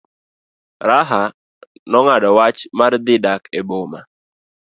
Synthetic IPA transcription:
ɾaɦa | nɔŋadɔwat͡ʃmard̪ɪdakeboma

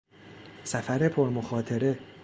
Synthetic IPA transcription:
sæfæɾe̞pʰo̞ɾmoxɒːt̪ʰe̞ɾe̞

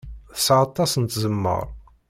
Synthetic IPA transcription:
θəsʕɑt̪ˤːɑsənt̪zəmːə̰ɾˤ

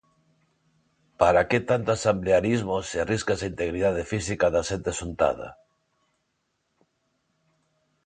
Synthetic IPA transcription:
paɾaket̪ant̪oasambleaɾizmoseariskesaint̪eɣɾiðaðefisikaðaʃent̪esunt̪a̰ða̰

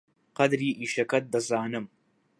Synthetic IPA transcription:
qɐd̪ɾiːʔiːʃɐkɐt̪̚d̪ɐzaːnɨm

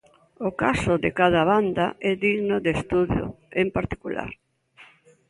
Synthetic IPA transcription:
ʊkasʊðɪkaðaβand̪aɛðiɣnoðest̪uðjo̰ | empaɾt̪i̥kula̰ɾ

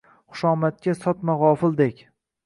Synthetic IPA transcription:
χʊ̥ʃɒːmat̪̚kʲasɒt̪maʁɒːfɪld̪ekʲ

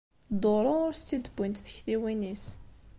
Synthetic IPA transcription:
d̪ˤoɾˤʊʊɾst͡s̪ːid̪bːənt̪θə̥çθiwinis

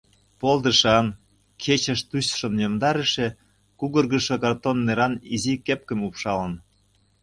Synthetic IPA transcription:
pold̪əʃɑn | kʰet͡ɕə̆ʃt̪uɕʃə̆mjomd̪ɑɾə̆ʃe | kuɣə̆rɣəʃokɑrt̪onːeɾɑnizikep̚kə̆mupʃɑlən

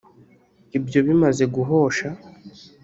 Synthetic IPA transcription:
ibjo̞βimaze̞ɡuɦo̞ʃa

